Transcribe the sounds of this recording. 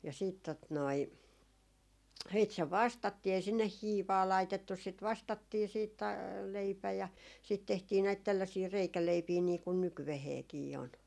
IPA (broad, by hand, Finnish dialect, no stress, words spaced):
jɑ siːt tot noi siːt se ʋɑstɑtːiː ei sinːeh hiːʋɑː lɑitetːus sit ʋɑstɑtːiː siːt tɑ leipæ jɑ siːt tehtiː næit tælːæsiː reikæleipiː niː kun nykyʋeheːkiː on